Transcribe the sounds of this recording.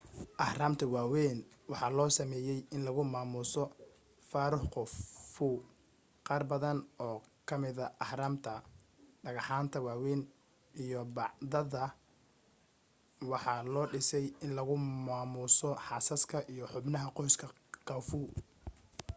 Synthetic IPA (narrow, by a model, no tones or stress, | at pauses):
ʔɑħraːmt̪ʰɐwaːwɛːn | wɑħɑːlɔːsɐmɛːjɛjɪnlɐɣʊmaːmʊsɔ | faːɾʊħqɔfuː | qɑːrbɐðɐnɔːkʰɐmɪðɐʔɑħɾaːmt̪ʰɐ | ɖɐɣɑħaːnt̪ʰɐwaːwɛːn | ijɔbɑʕðɐðɐ | wɑħɑːlɔːɖɪsɛjɪnlɐɣʊmaːmʊsɔħɑːsɐskʰɐʔijɔħʊbnɐɦɐqɔjskʰɐ | qɐwfuː